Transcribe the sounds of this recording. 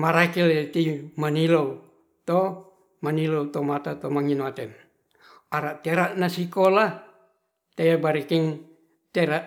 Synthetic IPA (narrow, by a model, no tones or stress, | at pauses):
maɾakilt̪imanilow | t̪o | manilowt̪omat̪at̪omaŋinat̪ɛn | aɾaʔt̪eɾaʔnasikola | t̪ejabaɾikiŋ | t̪eɾaʔ